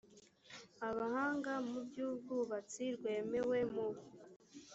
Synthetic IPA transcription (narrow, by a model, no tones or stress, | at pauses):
aβahaːŋɡamubɟuːbɡuβat͡siɾɡwe̞ːmewe̞mo